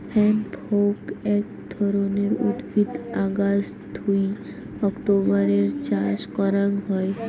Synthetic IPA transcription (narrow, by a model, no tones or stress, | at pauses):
pʰɛnbowkɛk̚d̪ʱɔɾoneɾṵd̪bʱid̪aɡas | d̪ʱuj | ɔkʈobaɾeɾt͡ɕaʃkɔɾanɦɔe